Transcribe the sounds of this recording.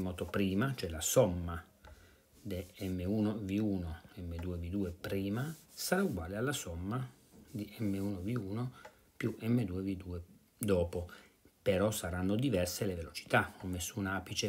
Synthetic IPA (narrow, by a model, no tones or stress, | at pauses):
mɔːt̪opɾiːmat͡ʃoɛlasɔmːa | d̪eɛmːeuːnoviuːnoɛmːed̪uːevid̪uːepɾiːmasaɾauɡwaːlealːasɔmːa | d̪iʔɛmːeuːnoviuːno | pjuʔɛmːed̪uːevid̪uːe | d̪ɔːpo | peɾɔsːaɾanːod̪ivɛrselevelot͡ʃi̥t̪aɔmːesːunaːpit͡ʃe